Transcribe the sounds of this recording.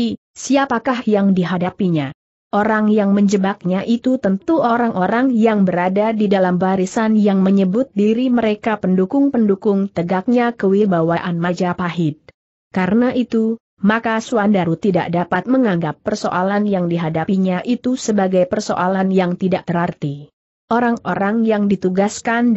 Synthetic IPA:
i | siapakahjaŋdiɦadapiɲa | ʔoɾaŋjaŋməɲd͡ʒəbak̚ɲaʔit̪ut̪ənt̪uʔoɾaŋʔoɾaŋjaŋbəɾadadidalambaɾisanjaŋməɲəbʊt̪̚diɾiməɾekapəndukʊŋpəndukʊŋt̪əɡak̚ɲakəwirbawaʔanmad͡ʒapaɦɪd̚ | kaɾənaʔit̪u | makasuandaɾut̪ida̰ʔ̚dapat̪̚məŋaŋɡapːərso̰ʔalanjaŋdiɦadapiɲaʔit̪usəbaɡajpərso̰ʔalanjaŋt̪idaʔ̚t̪əɾart̪i | ʔoɾaŋoɾaŋjaŋdit̪uɡaskan

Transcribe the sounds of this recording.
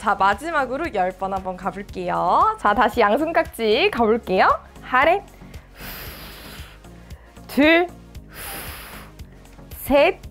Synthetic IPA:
t͡ɕamad͡ʑimaɡɯɾojʌɭp͈ʌnɦambʌnkabuɭk͈e̞jot͡ɕataɕʰijaŋsʰɯŋk͈ak̚t͡ɕ͈ikabuɭk͈e̞jo | haɾe | tɯɭ | sʰe

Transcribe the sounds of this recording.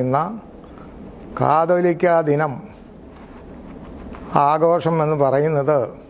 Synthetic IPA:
unːɐ | ka̰ːd̪olikʲːaːd̪ʱinɐm | aːɡo̞ːʂɐme̞nːɨpɐrɐjunːɐðɨ

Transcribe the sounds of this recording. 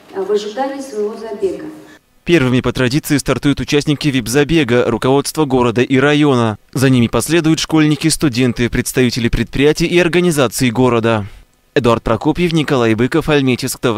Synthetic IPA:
ɐvɨʐɨd̪anʲɪːsvɐvozɐbʲeɡə | pʲe̞rvɨmʲɪpət̪ɾɐdʲit̪sɨɪst̪ɐrt̪ujʊt̪ʊt͡ɕæsʲnʲɪkʲɪvʲibzɐbʲe̞ɡəɾʊkɐvo̞t̪st̪vəɡo̞ɾəd̪əʔiɾɐjo̞nəzɐnʲimʲɪpɐsʲlʲed̪ʊjʊt̪ʂko̞lʲnʲɪkʲɪst̪ʊdʲe̞nt̪ɨpɾʲɪt̪st̪ɐvʲitʲɪlʲɪpɾʲɪt̪̚pɾʲɪjætʲɪjɪɐrɡənʲɪzat̪sɨɪɡo̞ɾəd̪ə | ɛd̪ʊart̪̚pɾɐkopʲjɪfnʲɪkɐlˠajbɨkəfɐlʲmʲetʲɪskt̪of

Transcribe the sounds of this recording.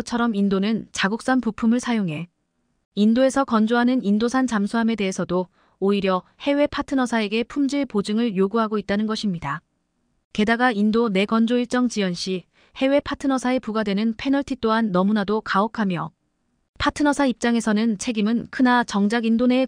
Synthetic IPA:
t͡ɕʰʌɾʌmindonɯnt͡ɕaɡuk̚s͈anpupʰumɯɭsʰajoŋɦe̞ | indoe̞sʰʌkʌnd͡ʑoɦanɯnindosʰant͡ɕamsʰuɦame̞de̞ɦesʰʌdo | oiɾjʌhe̞we̞pʰatʰɯnʌsʰae̞ɡe̞pʰumd͡ʑiɭpod͡ʑɯŋɯɭjoɡuɦaɡoit̚t͈anɯnɡʌɕʰimɲida | ke̞daɡaindone̞ɡʌnd͡ʑoiɭt͡ɕ͈ʌŋt͡ɕijʌnɕ͈ʰi | he̞we̞pʰatʰɯnʌsʰae̞puɡadwe̞nɯnpʰe̞nʌɭtʰit͈oɦanːʌmunadokaʌkʰamjʌ | pʰatʰɯnʌsʰaip̚t͡ɕ͈aŋe̞sʰʌnɯnt͡ɕʰe̞ɡimɯnkʰɯnat͡ɕʌŋd͡ʑaɡindone̞

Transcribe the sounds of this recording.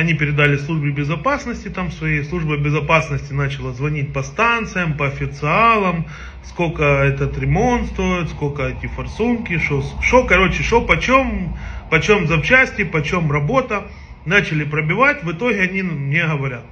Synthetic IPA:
ɐnʲipʲɪɾʲɪd̪alʲɪslˠuʐbɪbʲɪzɐpasnəsʲtʲɪt̪amsvɐjejslˠuʐbəbʲɪzɐpasnəsʲtʲɪnat͡ɕɪlˠəzvɐnʲit̚ʲpɐst̪ant̪sɨjəmpɐːfʲɪt̪sɨalˠəm | sko̞lkəɛt̪ət̪ɾʲɪmo̞nt̪st̪o̞jɪt̪sko̞lʲkəɛtʲɪfɐrsunkʲɪʂoʂokɐɾo̞t͡ɕɪʂopɐt͡ɕo̞mpɐt͡ɕo̞mzɐpt͡ɕæsʲtʲɪpɐt͡ɕo̞mrɐbo̞t̪ə | nat͡ɕɪlʲɪpɾəbʲɪvatʲvɨt̪o̞ɦʲɪɐnʲimnʲeɦəʋɐɾʲat̪̚

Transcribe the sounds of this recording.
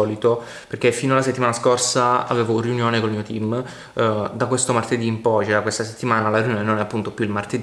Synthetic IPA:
ɔːlit̪o | perk̟efːiːnoalas̬et̪ːimaːnaskorsaa̰veːvoriunjoːnekolmiːot̪im | d̪akwest̪omart̪ed̪iːmpɔjt͡ʃɛɾakwest̪aset̪ːimaːnalariunjoːnenonɛapːunt̪opjuilmart̪ed̪

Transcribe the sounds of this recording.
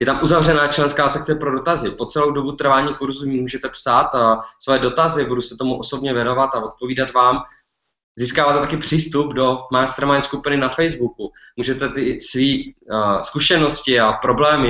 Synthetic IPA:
jɛt̪amʔuzavr̝ɛnaːt͡ʃlɛnskaːsɛk̚tt͡sɛpɾo̞do̞t̪azɪpo̞t͡sɛlo̞wdo̞but̪r̩vaːɲiːkuɾzuimuːʒɛt̪ɛpsaːt̪svɛɛdo̞t̪azɪbudusɛt̪o̞muʔo̞sobɲɛvjɛno̞vat̪avo̞t̪̚po̞viːdat̪vaːm | ziːskaːvaːt̪ɛt̪akɪpr̝̥iːst̪updo̞majst̪ɾmajnskupɪnɪnafɛjzbuku | muːʒɛt̪ɛt̪ɪsviːskuʃɛno̞scɪapɾo̞blɛːmɪ

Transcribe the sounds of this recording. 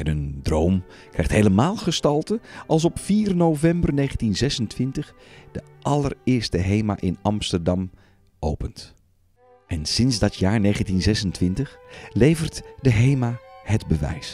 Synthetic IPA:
ɛnəndrowm | krɛjχthejləmaːlˠχəstɑlˠtəʔɑlˠs̬ɔpfiːrnovɛmbərnejχəntinzɛsəntʋɪntəχd̥ə | ʔɑlərɪːɹstəɦejma̰ːʔɪnɑmstərdɑm | ʔowpənt | ʔɛnsɪnzdɑtjaːɹnejχəntinzɛsəntʋɪntəχlejvərtdəɦejmaːhədbəʋɛ̰js

